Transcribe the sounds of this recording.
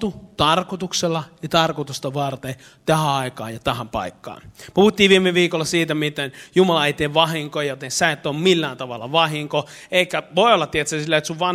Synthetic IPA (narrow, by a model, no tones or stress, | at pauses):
t̪ut̪ɑrkot̪ukselːɑjɑt̪ɑrkot̪ust̪ɑʋɑrt̪e | t̪æhæɑikɑ̰ːjɑt̪æhæmpɑ̰ikːɑ̰ːnpuhut̪ːiːʋʋiːmeʋiːkolːɑsiːt̪æmit̪enjumɑlɑeit̪ːeʋʋɑhiŋkojot̪ensæet̪ːoːmmilːæːnt̪ɑʋɑ̰lːɑ̰ʋɑhiŋko | eikːæʋoˑiolːɑt̪t̪ːiet̪sæsilːæet̪suʋʋɑn